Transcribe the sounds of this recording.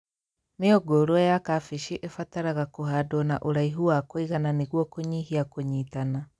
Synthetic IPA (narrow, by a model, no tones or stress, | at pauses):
neoɡoɾwɔjakafeʃiʔefataɾaɣakoɦadwɔna̰ʔoɾaiɦuwakoiɣananeɣwɔkoɲiɦiakoɲiːtana